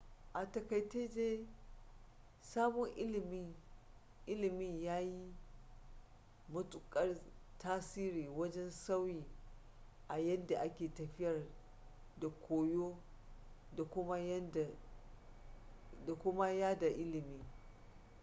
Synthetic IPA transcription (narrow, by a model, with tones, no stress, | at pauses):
ʔa˨tɐ˨kɐ˨jteː˦d͡ʒeː˦ | saː˦bɔ˦ŋʔɪ˦lm˦ | ʔɪ˦lɪ˨mɪ˦˨ɲjaː˦ji˦ | mɐ˦tʊ˨kʼɐ˦rtaː˦siː˦ɾiː˨wɐ˦d͡ʒɛ˦nsa˦wjiː˨ | ʔa˨jɛ˦nda˨ʔa˦kʲeː˨tɐ˨ɸɪ˦jɐ˨r | da˨kʷʰoː˨joː˦ | da˨kʷʊ˦ma˦j | da˨kʷʊ˦ma˦jaː˦da˨ʔɪ˦lɪ˨mi˨ŋ